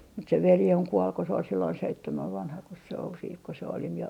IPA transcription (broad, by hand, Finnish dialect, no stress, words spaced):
mut se ʋeli oŋ kuol ko se ol silːoin seitːemæʋ ʋɑnhɑkos se ol siːt ko se oli mie